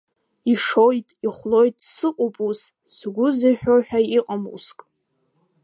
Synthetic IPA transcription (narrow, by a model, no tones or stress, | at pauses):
iʂojtʼiχʷlojtʼsɨqʷʼʊpʼuz | sɡʷʊziħᶣoħᶣaiqʼamṵskʼ